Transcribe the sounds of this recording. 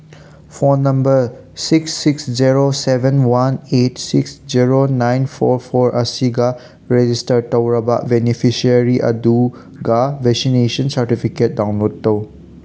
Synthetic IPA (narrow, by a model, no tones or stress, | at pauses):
pʰonːɐmbɐɾ | siksːiksd͡ʒiɾosebʱenwanetsiksd͡ʒiɾonajnpʰoɾpʰoɾʔɐsiɡa | ɾed͡ʒistɐɾtɐwɾɐbɐ̰benipʰisiɐɾiʔɐ̰du | ɡabʱeksinesɐnsɐɾtipʰiket̚dawnlodːɐw